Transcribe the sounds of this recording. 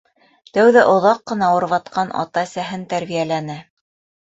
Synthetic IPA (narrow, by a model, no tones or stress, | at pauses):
t̪æwðæʔŏðɑqːɤ̆nɑwɤ̆ɾβɑt̪qɑnʔɑ̰t̪ɑsæɦɘnt̪æɾβijælænɘ